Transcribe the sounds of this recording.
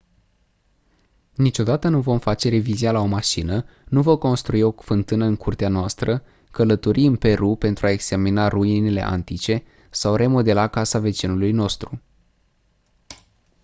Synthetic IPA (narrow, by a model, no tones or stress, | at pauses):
nit͡ʃo̞d̪at̪ənuvo̞mfat͡ʃe̞ɾe̞vizialao̞maʃinənuvəko̞nst̪ɾuio̞fɨnt̪ɨnəɨŋkʰurt̪eanoast̪ɾə | kələt̪o̞ɾʔiɨnpe̞ɾupe̞nt̪ɾuae̞ɡz̥aminaruinele̞̰ʔa̰nt̪it͡ʃe̞ | sawre̞mo̞d̪e̞lakasave̞t͡ʃinulujno̞st̪ɾu